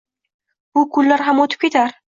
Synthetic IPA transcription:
bʊkʰʊlːaɾɦamot̪ʰɪp̚kʲe̞t̪ʰaɾ

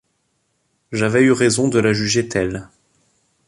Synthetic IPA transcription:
ʒavɛyʁezɔ̃d̪əlaʒyʒet̪ʰɛl

